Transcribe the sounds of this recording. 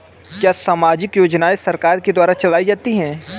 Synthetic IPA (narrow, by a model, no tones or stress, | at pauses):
kjaːsaːmaːd͡ʒɪkjoːd͡ʒnaesɐɾkaːɾked̪waːɾat͡ʃɐlaːid͡ʒaːt̪iɦɛ̃ː